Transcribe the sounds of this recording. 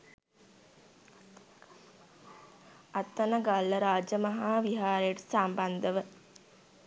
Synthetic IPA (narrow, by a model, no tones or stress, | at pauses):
at̪ːɐnəɡalːəɾaːd͡ʒəmɐɦaːʋiɦaːɾəjəʈə̥samband̪əʋə